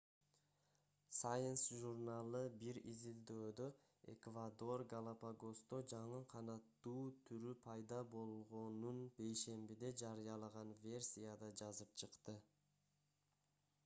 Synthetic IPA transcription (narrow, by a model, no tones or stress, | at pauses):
sajensʒurnalˠɯbiɾizild̪øːd̪ø | e̞̰kvad̪o̞rɡalˠapaɡo̞st̪od͡ʒɑɴɯqʰɑnɑt̪ːuːt̪ʰyɾypʰɑjd̪ɑbo̞lˠʁo̞nunbe̞jʃe̞mbid̪e̞d͡ʒɑɾɯjɑlˠɑʁɑnvʲe̞rsʲijad̪ɑd͡ʒɑzɯp̚t͡ʃʰɯqt̪ɯ